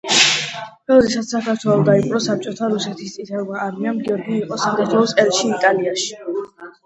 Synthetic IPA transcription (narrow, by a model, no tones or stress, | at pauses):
bɛlɔd̪ɛsat̪sakʰaɾt̪ʰwɛlˠɔd̪aipʼɾɔsap̚t͡ʃʼɔt̪ʰaɾusɛt̪ʰist̪sʼit̪ʰɛvmaːɾmiamɡiɔɾɡiːqʼɔsakʰaɾt̪ʰwɛlɔsʼɛlʃiːt̪ʼaliaʃi̥